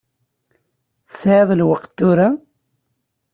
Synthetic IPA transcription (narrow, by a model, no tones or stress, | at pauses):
θəsʕeðˤlwəqt̪ːʊɾa